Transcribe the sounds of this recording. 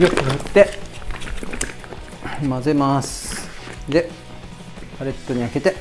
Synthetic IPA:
jokːhɯt̪ːe | maze̞mas | d̪e | pʰaɾe̞t̪ːo̞ɲ̟iake̞t̪e

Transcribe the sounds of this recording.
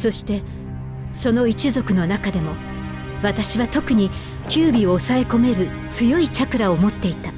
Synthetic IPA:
so̞ɕi̥t̪e̞ | so̞no̞it͡ɕizo̞kɯ̟no̞nakad̪e̞mo̞ | βat̪aɕiβat̪o̞kɯ̟ɲ̟i | kʲɨːbʲio̞ːsae̞ko̞me̞ɾɯ̟ | t͡sɨjo̞it͡ɕakɯ̟ɾao̞mo̞t̪ːe̞it̪a

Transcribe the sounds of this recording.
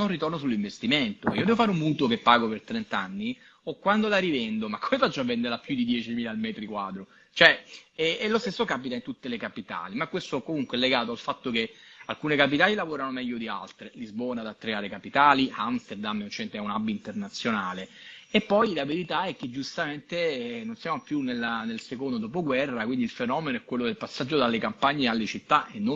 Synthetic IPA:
onrːit̪ornosulːiɱvest̪iment̪oiːod̪ɛvofaɾumːuːt̪okepːaːɡopert̪ɾɛnt̪anːi | okːwand̪olaɾivɛnd̪omakʰːomefat͡ʃːoavːɛnd̪eɾlapːjud̪id̪jɛːt͡ʃimiːlalmɛːt̪ɾikwaːd̪ɾo | t͡ʃoɛɛɛlost̪esːokapit̪aint̪ut̪ːelekapit̪a̰ːlimakːwest̪oɛkːomuŋkwɛlːeɡaːt̪oalfat̪ːokealkuːnekap̬it̪aːlilavoːɾanomɛʎːod̪ia̰lt̪ɾelizbɔːnad̪at̪ːɾeaːɾekapit̪aːliamst̪eɾd̪ameunt͡ʃɛnt̪ɛunabːint̪ernat̪sːjonaːleepːɔjlaveɾit̪aɛk̟ːed͡ʒːust̪ament̪enonsjaːmopjunelanelsekond̪od̪ɔːp̬oɡwɛrːakwind̪ilfenɔːmenoɛkwelːod̪elpasːad͡ʒːod̪alːekampaɲːealːet͡ʃit̪ːaʔenːo

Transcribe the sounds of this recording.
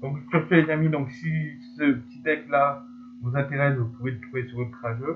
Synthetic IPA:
d̪ɔ̃ksyʁt̪uet̪ɛmid̪ɔ̃ksisəpət̪id̪ɛkla | vozɛ̃t̪eʁɛsvupuvet̪χuvesyʁlup̪χaʒø

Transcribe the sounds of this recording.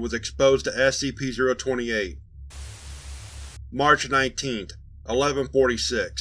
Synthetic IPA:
wʌzɨkspoʊztʰɨɛsipʰizəɹoʊtʰw̥ɛ̃ɾ̃ieɪt̚ | mɑɹt͡ʃnãɪ̃ntʰĩnθ | ʔəlɛvə̃nfɔɹɾisɪks

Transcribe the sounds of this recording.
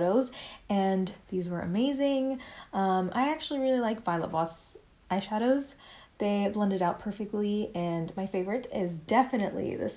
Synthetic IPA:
ɾoʊzɨ̃nðizwə˞ɨ̰meɪzɪ̃ŋʌ̃mʔa̰ɪæk̚t͡ʃʉl̩ˠiɹɪlˠilaɪkv̥aɪlˠə̰t̚b̥ɔs | ʔaɪʃæɾoʊzðeɪblʌ̃ndɨɾaʊt̚pʰɜ˞fɨk̚tˡliɨ̃nmaɪfeɪvə˞ɨɾɪzdɛfɨnɨʔˡlḭðɨ̰s

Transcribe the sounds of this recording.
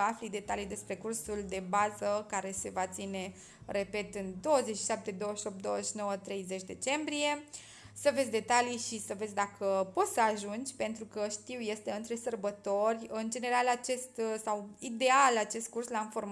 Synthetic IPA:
aflid̪e̞t̪alijd̪e̞spɾe̞kursuld̪e̞bazəkaɾe̞se̞vat̪sine̞ | re̞pe̞t̪ɨnd̪o̞wəze̞t͡ʃʃi̥ʃap̚t̪e̞d̪o̞wəʃo̞p̚t̪̚d̪oəeʃno̞wət̪ɾe̞jze̞t͡ʃʲd̪e̞t͡ʃe̞mbɾije̞ | səvesʲd̪e̞t̪aliʃisəve̞s̬ʲd̪akʰəpo̞t̪səaʒund͡ʒʲpe̞nt̪ɾukəʃt̪iwje̞st̪e̞ɨnt̪ɾe̞sərbət̪o̞rʲɨnd͡ʒe̞ne̞ɾalat͡ʃe̞st̪sawid̪e̞alat͡ʃe̞st̪̚kurslainfo̞rm

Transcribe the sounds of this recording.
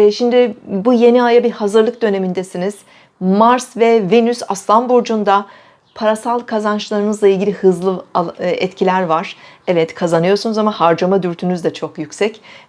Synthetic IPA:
ʃimd̪ɪbuje̞niajabiɾhazɯɾlˠɯk̚d̪ø̞ne̞mind̪ɛsiniz̥ | maɾsvɛvenysaslˠanbuɾd͡ʒund̪a | pʰaɾasalˠkʰazant͡ʃlˠaɾɯnɯzlˠailʲɟilʲihɯzlˠɯaɛt̪cʰilʲæɾvaɾ̥ɛvɛt̪kʰazanɯjo̞ɾsunuzamahaɾd͡ʒamad̪yɾt̪ʰynyzd̪ɛt͡ʃʰo̞kjycsɛc

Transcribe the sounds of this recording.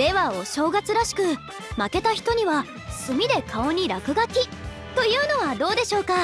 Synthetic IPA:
d̪̥e̞βao̞ɕo̞ːɡat͡sɨɾaɕi̥kɯ̟ | make̞t̪açi̥t̪o̞ɲ̟iβa | sɨmʲid̪e̞kʰao̞ɲ̟iɾakɯ̟ɡakʲi | t̪o̞jɯ̟ːno̞βad̪o̞ːd̪e̞ɕo̞ːka

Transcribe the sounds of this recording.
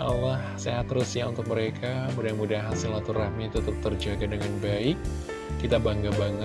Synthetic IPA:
a̰lahseɦat̪rusiaunt̪ʊk̚məɾekʰamudaŋmudaɦasɪlat̪urahmiːt̪ut̪t̪ərd͡ʒaɡadəŋanbaɪkː | it̪abaŋɡabaŋə

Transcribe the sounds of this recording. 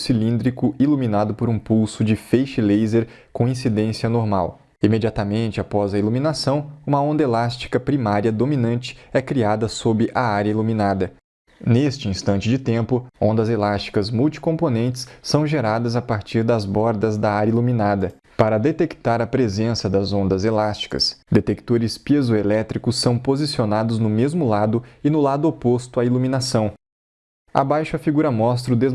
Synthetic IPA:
silĩnd̪ɾikʊiluminad̪ʊpoɾũpuwsʊd͡ʒɪfejʃɪlejzeɾ | kõĩsid̪ẽsiɐnoɾma̰w | imed͡ʒiat̪ɐmẽnt͡ʃɪapɔzɐiluminasɐ̃w̃ũmɐõnd̪ɐelast͡ʃi̥kɐpɾimaɾiɐd̪ominɐ̃nt͡ʃɪ̥ɛkɾiad̪ɐsobɪʔɐaɾjɐiluminad̪ɐ | nest͡ʃɪĩst̪ɐ̃nt͡ʃɪd͡ʒɪt̪ẽmpʊõnd̪ɐzelast͡ʃi̥kɐzmuwt͡ʃi̥kõponẽnt͡ʃɪ̥ssːɐ̃w̃ʒeɾad̪ɐzapaɾt͡ʃiɾd̪ɐzbɔɾd̪ɐzd̪ɐajɐiluminad̪ɐ | paɾɐd̪et̪ekt̪aɾɐpɾezẽsɐd̪ɐzõnd̪ɐzelast͡ʃi̥kɐ̰sd̪et̪ekt̪oɾɪspezoelɛt̪ɾikʊsːɐ̃w̃pozisionad̪ʊznʊmezmʊlad̪ʊɪnʊlad̪ʊopost̪ʊailuminasɐ̃w̃ | a̰bajʃʊɐfiɡuɾɐmɔs̬t̪ɾʊd̪ez

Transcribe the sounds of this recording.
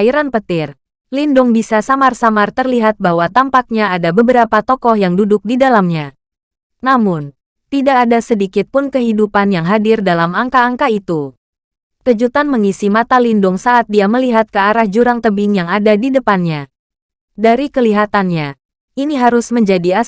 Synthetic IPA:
iɾanpət̪ɪr | lindʊŋbisasamarsamart̪ərliɦat̪̚bahwat̪ampak̚ɲaadabəbəɾapat̪ɔkɔhjaŋdudʊk̚didalamɲa | namʊn | t̪idaːdasədikɪt̪̚pʊnkəɦidupanjaŋɦadɪrdalamaŋkaːŋkait̪u | kəd͡ʒut̪anməŋisimat̪alindʊŋsaʔːt̪̚diaməliɦat̪̚kəaɾahd͡ʒuɾaŋt̪əbɪŋjaŋadadidəpanɲa | daɾikəliɦat̪anɲa | iniɦaɾʊsməɲd͡ʒadia

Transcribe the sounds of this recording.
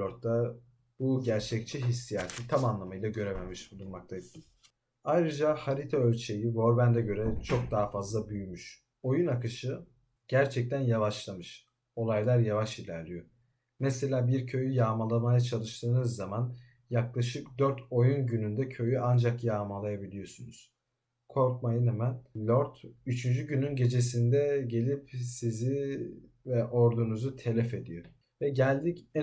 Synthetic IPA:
oɾt̪̚d̪a | buɟæɾt͡ʃʰɛc̚t͡ʃʰiɦisːijaːt̪ʰit̪ʰamanlˠamɯjlˠaɟø̞ɾememiʃbulˠunmakt̪ʰajɯ | ajɾɯd͡ʒahaɾit̪ʰaølʲt͡ʃʰe̞jivo̞ɾbænd̪ɛɟø̞ɾɛt͡ʃʰo̞k̚d̪aːfazlˠabyjmyʃ | o̞junakɯʃɯ | ɟ̥æɾt͡ʃʰɛc̚t̪ʰænjavaʃlˠamɯʃ | o̞lˠajlˠaɾjavaʃilʲæɾlʲijø | mɛse̞lʲaːbiɾcʰø̞jyjaːmalˠamajat͡ʃʰalˠɯʃt̪ʰɯːnɯzːaman | jaklˠaʃɯkd̪øɾt̪ʰo̞junɟynynd̪ɛcʰø̞jyʔand͡ʒakjaːmalˠajabilʲijo̞sunuz̥ | kʰo̞ɾkmajɯnemænlʲoɾt̪yt͡ʃʰynd͡ʒyɟynynɟe̞d͡ʒe̞s̬ind̪ɛɟe̞lʲipsizi | vɛʔo̞ɾd̪unuzut̪ʰe̞lʲɛfe̞d̪ijo | vɛɟælʲd̪icɛ

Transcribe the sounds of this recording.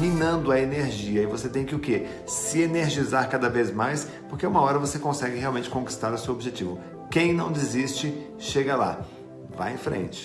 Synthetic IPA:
mĩnɐ̃nd̪ʊɐeneɾʒiɐɪvoset̪ẽj̃kɪʊke | sɪeneɾʒizaɾkad̪ɐvezmajs | poɾkeũmɐɔɾɐvosekõsɛɡɪheawmẽnt͡ʃɪ̥kõki̥st̪aɾʊsewobiʒet͡ʃivʊ | kẽj̃nɐ̃w̃d͡ʒɪzist͡ʃɪ | ʃeɡɐla̰ | va̰jḛ̃fɾḛ̃nt͡ʃɪ̥

